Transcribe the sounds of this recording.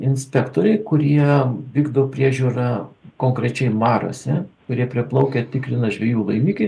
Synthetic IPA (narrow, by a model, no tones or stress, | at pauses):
ɪnʲsʲpʲækt̪oːɾʲɛɪkʊɾʲiɛʋʲiːɡd̪opʲɾʲiɛʒʲuːɾɐkoːŋkɾʲɛt͡ʃʲɛɪmɑːɾo̰sʲɛkʊɾʲiɛpʲɾʲɪplˠɐʊkʲet̪ʲɪkɾʲɪnɐʒʲʋʲɛjuːlˠɐɪmʲiːkʲɪ